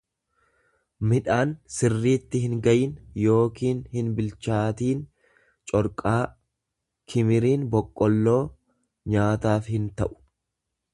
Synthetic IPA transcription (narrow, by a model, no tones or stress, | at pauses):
mɪᶑaːnsɪrːiːt̪ːɪhɪŋɡɐjɪnjo̞ːkiːnhɪnbɪlt͡ʃaːt̪iːn | t͡ʃʼɔɾkʼaː | kʰɪmɪɾiːnbɔkʼːɔlːo̞ː | ɲaːt̪aːfhɪnt̪ɐʔʊ̥